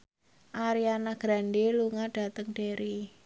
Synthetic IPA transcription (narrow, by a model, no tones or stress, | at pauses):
ʔaɾianaɡ̥ɾanɖeluŋaɖ̥a̤t̪əŋɖ̥eɾi